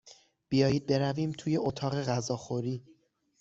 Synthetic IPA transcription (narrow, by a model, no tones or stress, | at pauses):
b̥ijɒːjiːd̪̚be̞ɾæviːmt̪ʰuːje̞ʔot̪ʰɒːɣe̞ɣæzɒːxoɾiː